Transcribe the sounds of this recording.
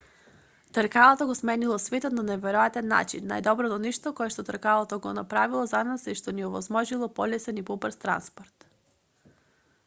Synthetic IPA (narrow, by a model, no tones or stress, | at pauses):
t̪əɾkalˠat̪oɡosmɛnilˠɔsvɛt̪ot̪nanɛvɛɾoat̪ɛnːa̰t͡ʃḭnːa̰jd̪ɔbɾɔt̪ɔniʃt̪ɔkɔɛʃt̪ot̪əɾkalˠot̪oɡonapɾavilˠɔzanasiʃt̪ɔniɔvɔzmɔʒilˠɔpɔlɛsɛnipɔpəɾst̪ɾa̰nspoɾt̪